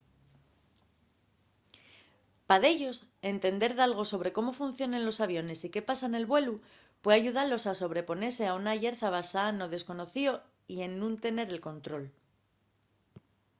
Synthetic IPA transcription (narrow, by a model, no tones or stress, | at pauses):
paðe̞ʝo̞se̞nt̪e̞nd̪e̞ɾðalɣ̞o̞so̞β̞ɾe̞ko̞mo̞fun̟θjo̞nẽ̞nlo̞saβjo̞ne̞sike̞pasane̞lβwe̞lu | pweaʝuðalo̞saso̞β̞ɾe̞po̞ne̞ɾse̞aunaʝe̞ɾθaβasano̞ðe̞sko̞no̞θio̞ | ie̞nːũnt̪e̞ne̞ɾe̞lko̞nt̪ɾo̞l